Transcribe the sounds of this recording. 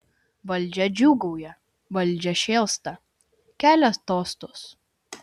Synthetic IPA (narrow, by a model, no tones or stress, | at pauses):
ʋɐlʲˑd͡ʒʲɛd͡ʒʲuːɡɐʊjɛ | ʋɐlʲˑd͡ʒʲɛʃʲeːlˠst̪ɐ | kʲæːlʲɛst̪oːst̪ʊs